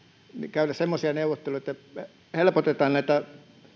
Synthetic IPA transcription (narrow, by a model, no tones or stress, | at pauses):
nḭkæˑylæsemːosiɑneˑuʋːˑot̪ːeluj̆et̪ːæ | helpot̪et̪ˑɑːnnæˑit̪æ